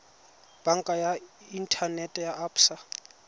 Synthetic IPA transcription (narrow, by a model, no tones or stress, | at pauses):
b̥aŋ̩kʼajaintʰanɛtʼɛjaʔapsa